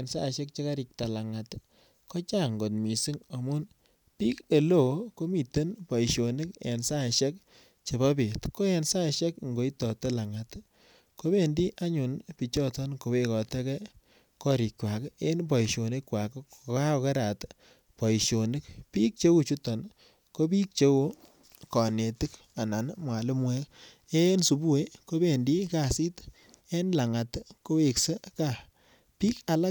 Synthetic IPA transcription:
e˨nsa˦˨ʃɛ˦k̚t͡ʃe˦ka˦ɾi˨k̚ta˨la˨ŋa˨t | kɔ˦t͡ʃa˦˨ŋɡo˨tmi˨si˦ŋa˨mu˦n | pi˦ke˨lo˨ko˦mi˨te˦npɔ˨i˨ʃo˨ni˦kḛ˨nsa˦˨ʃɛ˦k | t͡ʃe˨ba˦be˨tko˦ɛ˨nsa˦˨ʃɛ˦k̚ŋɡo˨˦i˦tɔ˨te˦la˨ŋa˨t | ko˦be˦˨ndi˦ʔa˦ɲu˨npi˨t͡ʃɔ˦tɔ˦nko˨we˦kɔ˨tɛ˦kɛ˦ | kɔ˦ɾi˨kwa˨ke˦npɔ˨ʃo˨ne˦kwa˨ko˨ka˦ke˦ɾa˨t | pɔ˨i˨ʃo˨nɪ˦kpi˦k̚t͡ʃe˦wu˦t͡ʃu˦tɔ˨n | ko˦bi˦k̚t͡ʃe˦wu˦ | kɔ˨ne˨tɪ˦k | a˨na˨nmwa˨lɪ˦mwɛ˦k | e˦nsu˨bu˦e˦ko˦be˨ndi˦ka˨si˦t | e˦nla˨ŋa˨tko˦we˨kse˦ka˦˨ | pi˦ka˨la˦

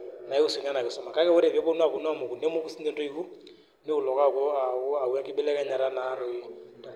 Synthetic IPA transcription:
na˨i˦ʊ˦sŋa˦na˨kɪ˨sɔ˦ma˨ka˦kɛ˦wʊ˦ɾe˨vɛ˦bo˦n˦a˨kʊ˨nu˦a˦˨mo˨ku˨ne˦mo˦kʊ˦si˦nde˦ndo˦i˦ku˦ | nɪ˦ʊ˨lɔ˨ka˦˨kɔ˦a˨ʊ˦a˨u˦a˦kɪ˦bɛ˦lɛ˦ka˦ɲa˨ɾa˦na˨˦ɾɔ˨i˦

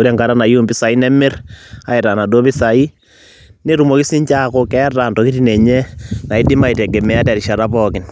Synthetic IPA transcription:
u˦ɾe˦˨ŋka˨ɾa˦na˨ju˦mbi˦sa˨i˦nɛ˦mɪ˦ra̰˨i˨ɾa˨na˨do˦pi˦sa˨i˦ | ne˦ɾu˨mo˨ki˦si˦ɲt͡ʃa˦ko˦kɛ˦ra˨ntɔ˨ki˦ti˦nɛ˨ɲɛ˦na˨i˦di˦ma˨i˨te˨ɡe˨mɛ˨˦a˦tɛ˨ɾi˨ʃa˨ɾa˦pɔkɪ˨n

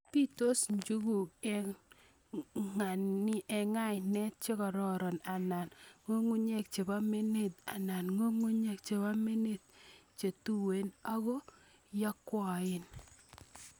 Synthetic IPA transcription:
pi˦to˦sɲd͡ʒu˦ɡu˨kɛ˨ | ŋa˨nɪ˦ʔɛ˨ŋa˦jnɛ˦tt͡ʃe˦kɔ˨ɾɔ˦˨ɾɔ˨na˨na˨nŋo˦ŋu˦ɲe˦k̚t͡ʃe˨ba˦me˦ne˦˨t̪̚a̰˨na˨nŋo˦ŋu˦ɲe˦k̚t͡ʃe˨ba˦me˦ne˦t̪̚t͡ʃe˨tu˦we˨˦na˦ɣɔ˦ | ja˦kwɔ˨ɪ˦n

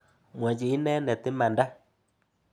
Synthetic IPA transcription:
mwɛ˨d͡ʒi˨i˦nɛ˦nɛ˨t̪ɪ˦ma˨nda˦

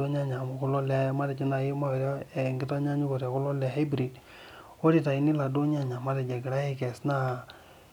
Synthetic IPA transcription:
o˦ɲ˦a˦ɲa˨mo˨ko˦lɔ˦lɛ˦ma˦ɾɛ˨d͡ʒi˦na˨je˦ma˦e˨ɾa˦e˨ŋɡɪ˦ta˦ɲa˦ɲu˦ko˨ɾa˨ko˦lɔ˦lɛ˨ɦa˦bɾi˨d | o˦ɾi˨ta˨i˨ni˦la˨do˦ɲ˦a˦ɲa˨ma˦ɾɛ˨d͡ʒa˨ɡe˨ɾa˦e˦kɛ˨sna˦

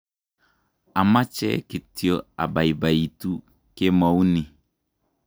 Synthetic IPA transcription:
a˨ma˦t͡ʃɛ̰˦ki˨ti˦o˦˨a̰˨ba˨i˨ba˨i˨tu˦ | ke˦mɔ˨u˦ni˨

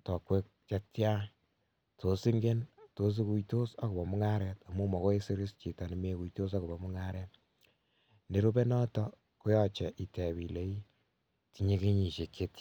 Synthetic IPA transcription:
tɔ˨kwe˦k̚t͡ʃe˦tja˦ | to˨si˦ŋɡe˦nto˨˦s̬i˦ku˦ito˦sa˦ku˨bɔ˨mʊ˦ŋa˦ɾɛ˨ta˨mu˦mɔ˨ko˦e˦si˦ɾi˦st͡ʃi˨ta˨ni˨me˦ku˨jto˦s̬a˦ku˨bɔ˨mu˦ŋa˦ɾɛ˦t | ne˨ɾo˦be˦nɔ˦tɔ˦ | ko˦jɔ˦t͡ʃɛ˨ʔi˨te˨βi˨le˦i˦ | ti˨ɲe˦ke˦ɲi˨ʃe˨kːe˦t

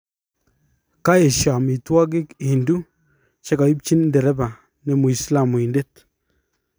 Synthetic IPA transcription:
ka˦e˨ʃa˨mi˨twa˦ɡ̬ɪ˦ki˨ndu˦ | t͡ʃe˦ka˨i˦p̚t͡ʃi˦nndɛ˨ɾɛ˦ba˨ | nɛ˨mu˨i˨sla˨mu˨i˨nde˦t

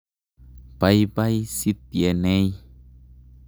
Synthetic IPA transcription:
pa˦jpa˦jsi˦t̪̚je˨ne˦j

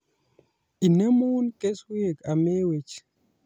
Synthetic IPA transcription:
i˨ne˦mo˦nke˦swi˦e˨ka˨me˦we˨t͡ʃ

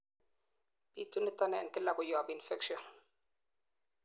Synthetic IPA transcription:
b̥i˨tːu˦nət̪a˦nɛɛ˨nkɪ˦la˨kʊ˨jɔː˨bi˨nfɛ˦kʃɔn

